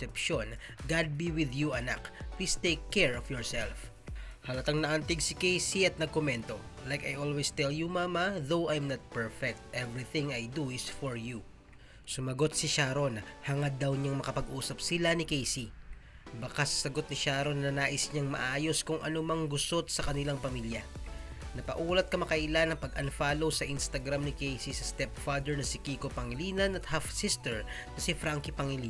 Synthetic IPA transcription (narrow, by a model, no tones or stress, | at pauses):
ɛpʃon | ɡad̪̚biwɪðjuʔɐna̰kplist̪ejkʰːɛɹɔfjɔɹsɛlf | hɐlɐt̪ɐŋnɐʔɐnt̪ɪɡsɪkejsiɐt̪̚nɐɡ̚komɛnt̪o̞lajkɐjʔolwɛst̪ɛljumaːmɐðowʔajmnɐt̪̚pɛɹfɛk̚t̪̚ʔɛvɹiθɪ̃ŋajd̪usfɔɹju | sʊmɐɡo̞t̪̚sɪʃaːɾo̞nhɐŋɐd̪ːɐwɲaŋmɐkɐpɐɡʔuːsɐp̚sɪlanɪkejsi | bɐkasɐ̥sɐɡo̞t̪̚nɪʃaːɾo̞nːɐnaːʔɪsɲaŋmɐ̰ʔaːjo̞skʊŋʔɐ̰nomɐŋɡʊsot̪sɐkɐnɪlaŋpɐmiljɐnɐpɐʔuːlɐt̪̚kɐmɐkɐʔɪlanːɐŋpɐɡ̚ʔɐnfaːlo̞wsɐʔinst̪ɐɡɾamnɪkejsisɐst̪ɛp̚fad̪ɛɹnɐsikiːkopɐŋɪliːnɐnɐt̪̚hafsɪst̪ɛɹnɐsifɾaŋkipɐŋɪli